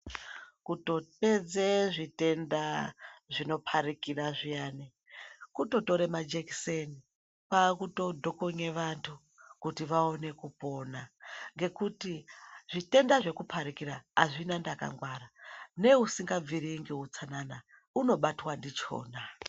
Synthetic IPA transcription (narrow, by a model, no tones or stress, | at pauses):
kuto̞pe̞d͡zeʐite̞ndaʐino̞pʰaɾikiraʐijaːne | kuto̞to̞ɾemad͡ʒekiseni | paːkuto̞dʱo̞koɲe̞ʋantʰu | kutiʋao̞ne̞kupo̞ːnaŋɡe̞kutiʐ̥ite̞ndaʐe̞kupʰaɾikiɾaaʐinandaka̰ŋɡwaɾane̞usiŋɡaviɾiŋɡeut͡sanana | uno̞ɓatwandit͡ʃo̞̰ːna